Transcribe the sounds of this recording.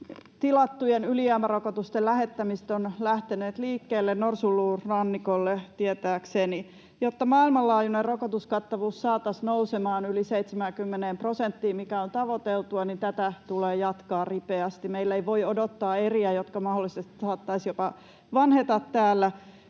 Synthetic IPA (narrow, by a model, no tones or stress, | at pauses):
t̪ilɑt̪ːujenyliæːmːærokot̪ust̪ellæhet̪ːæmist̪onlæht̪eneːt̪liːkːeːlːennorsulːuːrɑnːikolːet̪iet̪æːkseːni | jot̪ːɑmɑilmɑlːɑːjunerrokot̪uskɑt̪ːɑʋuːssɑːt̪ɑsnousemɑːnyliseit̪semækymːeneːmprosent̪ːiːmmikæont̪ɑʋot̪elt̪uɑnint̪æt̪æt̪uleːjɑt̪kɑːrripeæst̪imeilːæeiʋoiodot̪ːɑːeriæjot̪kɑmɑholːˑisest̪i̥sɑːt̪ːɑisjopɑ | ʋɑnhet̪ɑt̪t̪æːlːæ